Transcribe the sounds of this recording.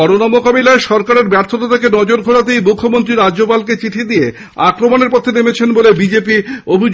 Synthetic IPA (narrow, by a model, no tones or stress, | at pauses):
ɔɾonɔmokabilaeʃɔɾkaɾeɾbɛɾt̪ʰot̪at̪ʰekenɔd͡ʑoɾɡʱoɽat̪ejmukʰːomont̪ɾiɾad͡ʑopalket͡ɕiʈʰid̪ije | akɾomoneɾpɔt̪ʰːenemet͡ɕʰenbolebid͡ʑepiobʱi